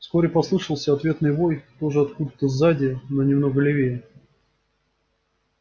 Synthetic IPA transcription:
fsko̞ɾʲɪpɐslˠɨʂəlˠsʲəɐt̪vʲe̞t̪nɨjbo̞jt̪o̞ʐɨɐt̪kud̪ət̪ːəzadʲɪnonʲɪmno̞ɡəlʲɪvʲejɪ

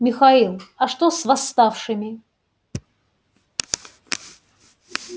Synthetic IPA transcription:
mʲɪxaɐilˠɐʂt̪osvɐst̪afʂɨmʲɪ

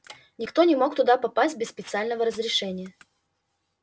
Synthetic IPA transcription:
nʲɪkt̪o̞nʲɪmo̞kt̪ʊd̪apɐpasʲt̚ʲbʲɪsspʲɪt̪sɨalʲnəvəɾəzɾʲɪʂɛnʲɪjə

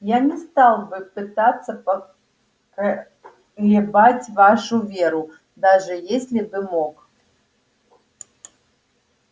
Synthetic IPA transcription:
janʲɛst̪alˠbɨpɨt̪at̪sːɐpɐ | lʲɛbat͡sʲvaʂuvʲɛɾu | d̪aʐɨjesʲlʲibɨmɔk

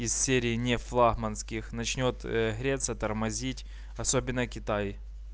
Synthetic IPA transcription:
izsʲeɾʲɪːnʲeflˠaɣmɐnskʲɪxnɐt͡ɕnʲo̞t̪ɣɾʲet̪sət̪ɐrmɐzʲitʲ | ɐsobʲɪnːəkʲɪt̪aj

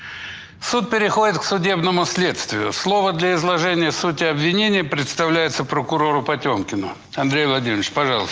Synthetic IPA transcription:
sut̪̚pʲɪɾʲɪxo̞dʲɪt̪ksʊdʲe̞bnəmʊsʲlʲe̞t̪st̪vʲɪjʊslˠo̞vəd̪lʲɐɪzlˠɐʐɛnʲɪjəsutʲɪɐbvʲɪnʲenʲɪjəpɾʲɪt̪st̪ɐvlʲæjɪt̪səpɾəkʊɾo̞ɾʊpɐtʲomkʲɪnʊ | ɐnd̪ɾʲejvlˠɐdʲimʲt͡ɕpɐʐɑlˠəs

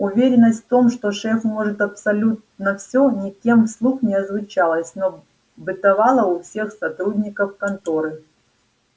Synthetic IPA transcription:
ʊvʲeɾʲɪnːəsʲt̪ʲft̪o̞mʂt̪oʂɛfmo̞ʐɨt̪ɐpsɐlʲut̪nɐfsʲo̞nʲɪkʲe̞mfslˠuxnʲɪɐzvʊt͡ɕalˠəsʲno | bɨt̪ɐvɑlˠəʊfsʲe̞xsɐt̪ɾudʲnʲɪkəfkɐnt̪oɾɨ

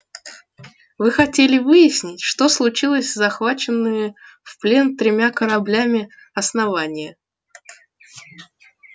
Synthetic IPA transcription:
vɨxɐtʲelʲɪvɨjɪsʲnʲɪtʲʂt̪o̞slˠʊt͡ɕilˠəsʲzɐxvat͡ɕɪnːɨjʲɪfplʲe̞nt̪ɾʲɪmʲakəɾɐblʲæmʲɪ | ɐsnɐvanʲɪjə

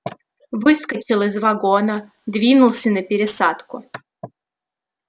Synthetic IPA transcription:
vɨskət͡ɕɪlˠɪzvɐɡonə | d̪vʲinʊlˠsʲənəpʲɪɾʲɪsat̪kʊ

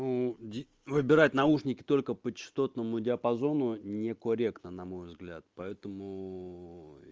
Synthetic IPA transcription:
nudʲ | vɨbʲɪɾatʲnɐuʂnʲɪkʲɪ̥t̪o̞lʲkəpət͡ɕɪ̥st̪o̞t̪nəmʊdʲɪɐpɐzo̞nʊnʲɪkoɾʲe̞kt̪nənɐmo̞jvzɡlʲat̪̚pɐɛt̪əmʊ

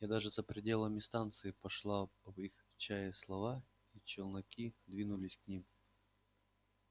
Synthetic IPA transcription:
jad̪aʐɨzəpɾʲɪdʲe̞lˠəmʲɪst̪ant̪sɨɪpɐʂlˠavixt͡ɕajɪslˠɐva | it͡ɕɪlˠnɐkʲid̪vʲinʊlʲɪsʲknʲim

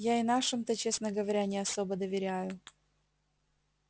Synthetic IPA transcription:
jaɪnaʂɨmt̪ət͡ɕe̞snəɡəvɐɾʲanʲɪɐsobəd̪əvʲɪɾʲæjʊ

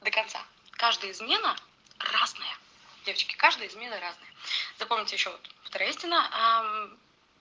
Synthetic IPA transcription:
d̪əkɐnt̪sa̰ | kaʐd̪əjəzmʲe̞nə | raznəjə | dʲe̞vət͡ɕkʲɪ̥kaʐd̪əjəzmʲe̞nəɾaznəjəzɐpo̞mʲnʲɪtʲɪjɪɕːovot̪ft̪ɐɾaisʲtʲɪnːəʔa

